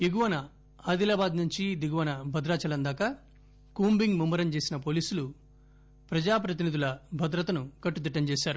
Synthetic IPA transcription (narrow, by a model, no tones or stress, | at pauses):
iɡuʋɐnɐ | aːd̪ilaːbaːd̪nuɲt͡ʃid̪iɡuʋɐnɐbʱɐd̪ɾaːt͡ʃɐlɐnd̪aːkɐ | kuːmbiŋɡmumːɐɾɐmt͡ʃe̞ːsinɐpo̞ːliːsulu | pɾɐd͡ʒaːpɾɐt̪̬inid̪ulɐbʱɐd̪ɾɐt̪ɐnukɐʈːud̪iʈːɐmt͡ʃeːsaːɾu